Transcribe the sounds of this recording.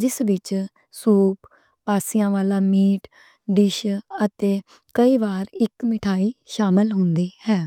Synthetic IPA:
d͡ʒɪsʋɪt͡ʃ | suːp | paːsɪjãːʋaːlaːmiːʈ | ɖɪʃət̪eː | kəiːʋaːɾɪkmɪʈʰaːiːʃaːmɪlɦʊnd̪iːhɛː

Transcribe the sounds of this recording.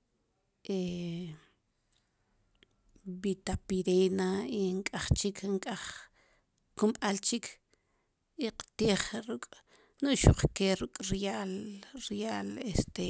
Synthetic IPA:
ʔe | bit̪apiɾenaiŋkʼaχt͡ʃikʰŋkʼaχ | kumɓalt͡ʃikʰ | iqḁt̪iːχɾukʼ | nuʔʃuq͡χkeɾukʼɾjalɾjaːlest̪e

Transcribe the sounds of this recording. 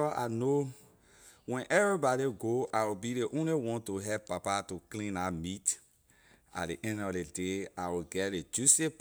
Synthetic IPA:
ɔʔa̰no | wɛ̃nʔɛvɹibɔɾiɡoʔawibideʔõnliwɔ̃ntuɦɛpːapatuklĩnamit | a̰tdiʔɛ̃ndɔfdedeawiɡɛtled͡ʒusep

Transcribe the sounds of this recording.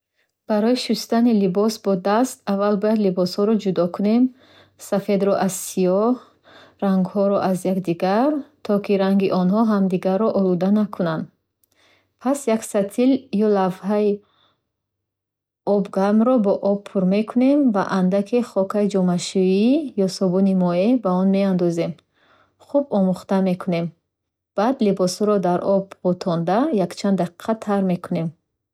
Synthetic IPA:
b̥aɾɔjiʃust̪anilibɔsbɔd̪ast̪avːalbɔjad̪libɔshɔɾɔd͡ʒud̪ɔkʰune̞m | safe̞d̪ɾɔʔazsijɔh | ɾaŋɡhɔɾɔʔazjakd̪iɡaɾt̪ʰɔkiɾaŋɡiʔɔnɦɔɦamd̪iɡaɾːɔʔɔlud̪anakʰunand̪ | pʰasjaksat̪ʰiljɔlavhai | ɔbɡaɾmɾɔbɔʔɔb̚pʰuɾme̞kʰune̞mva̰ʔand̪akʰiχɔkʰaid͡ʒɔmaʃuijɔsɔbunimɔebaɔnme̞and̪ɔze̞m | χubɔmuχt̪ame̞kʰune̞m | b̥ad̪libɔshɔɾɔd̪aɾʔɔbbɔt̪ʰɔnd̪ajakt͡ʃʰand̪aqi̥qʰat̪ʰaɾme̞kʰune̞m

